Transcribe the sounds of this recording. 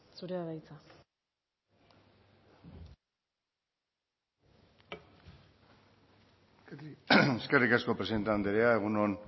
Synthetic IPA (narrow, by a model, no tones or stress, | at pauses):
suɾeaβajt͡sa | eskerikasko̞pɾesiðe̞nt̪eand̪eɾeae̞ɣ̞uno̞n